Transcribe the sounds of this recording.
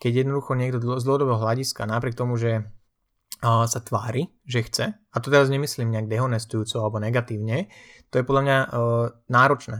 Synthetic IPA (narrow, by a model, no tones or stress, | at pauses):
kɛɟjɛd̪nɔd̪uxɔɲɪɛɡd̪ɔzd̪l̩ɦɔd̪ɔbɛɦɔɦlaɟiskanapɾɪɛk̚t̪ɔmuʒɛ | sat̪ʋaːɾi | ʒɛxt͡sɛ | at̪ɔt̪ɛɾazɲɛmisliːmɲɛaɡ̚d̪ɛɦɔnɛst̪ujuːt͡sɔalɛbɔnɛɡat̪iːʊɲɛt̪ɔjɛpɔd̪lamɲanaːɾɔt͡ʃnɛː